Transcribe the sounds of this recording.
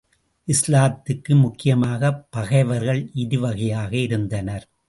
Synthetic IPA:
ʔɪslaːt̪ːɪkːɯmʊkːɪjɐmaːɣɐpːɐɣɐɪʋɐɾɣɐɭʔɪðɯʋɐɣɐjaːɣɐɪɾɯnd̪ɐnɐɾ

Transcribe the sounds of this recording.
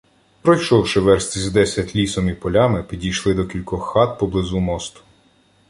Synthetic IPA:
pɾɔjʃɔwʃɪʋɛɾst̪ʲizd̪ɛsʲɐtʲlʲisɔmipɔlʲamɪpʲidʲijʃlˠɪd̪ɔkʲilʲkɔxːɑt̪̚pɔblˠɪzumɔst̪ʊ̥

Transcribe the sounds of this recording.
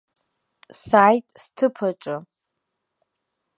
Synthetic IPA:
sajtʼstʰɨpʰaʈ͡ʂʷʼɨ

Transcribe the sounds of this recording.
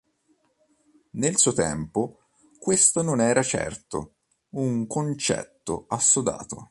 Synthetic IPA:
nelsuot̪ɛ̰mpo | kwest̪ononɛːɾat͡ʃɛ̰rt̪o̰ | uŋkont͡ʃɛ̰t̪ːo̰asːod̪a̰ːt̪o̰

